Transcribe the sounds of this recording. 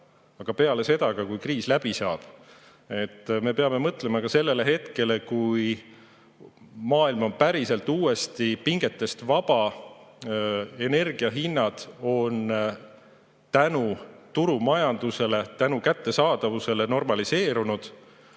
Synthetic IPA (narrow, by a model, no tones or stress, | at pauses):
ɑɡ̥ɑpe̞ɑle̞se̞d̪̥ɑɡ̥ɑkujkriːslæb̥isɑːb̥ | e̞t̪ːme̞pe̞ɑme̞mɤt̪le̞mɑkɑse̞lːe̞le̞ɦe̞t̪ke̞le̞kuj | mɑːilmo̞npæɾise̞lt̪ːˑuːe̞st̪ipiŋɡ̥e̞t̪ːe̞st̪vɑb̥ɑ | e̞ne̞rɡ̥iɑɦinːɑd̪̥o̞n | t̪ænut̪uɾumɑjɑnd̪̥use̞le̞t̪ænukæt̪ːe̞sɑːd̪̥ɑvuse̞le̞no̞rmɑlise̞ːɾunud̪̥